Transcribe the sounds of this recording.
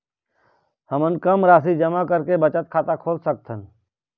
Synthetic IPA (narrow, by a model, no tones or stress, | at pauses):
həmənkəmɾaːs̬id͡ʒəmakəɾkebət͡ʃət̪̚kʰaːt̪akʰoːlsək̚t̪ʰən